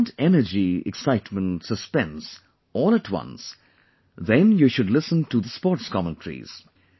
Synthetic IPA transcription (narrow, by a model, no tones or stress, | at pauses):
ntɛnəd͡ʒiɛ̰ksaɪtmə̃ntsəspɛ̃ns | ɔːlˠətʰwʌ̰̃ns | ðɛ̃njuʃʊdlɪsə̃ntuðəspɔːʈskʰɑmə̃ntʰəɾḭz̥